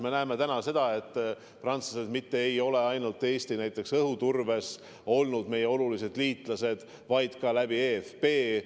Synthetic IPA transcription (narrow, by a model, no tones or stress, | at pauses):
me̞næeme̞t̪ænɑse̞d̪̥ɑe̞t̪ˑː | prɑnt̪suse̞d̪mit̪ːeejo̞le̞ɑjnult̪ːˑe̞ːsʲt̪inæjt̪ːˑe̞ksɤɦut̪urve̞s | o̞lnud̪me̞jeo̞lulise̞d̪̥liːt̪ˑlɑse̞d̪̥ | vɑjd̪̥kɑlæbiefpe̞ː